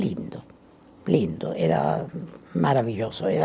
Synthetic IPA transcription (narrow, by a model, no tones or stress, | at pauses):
lind̪o | lind̪oʔeɾa̰ | maɾaviʎosoeɾa